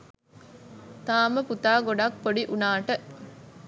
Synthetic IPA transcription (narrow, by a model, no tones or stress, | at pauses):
t̪aːməput̪aːɡoɖakpoɖiʔunaːʈə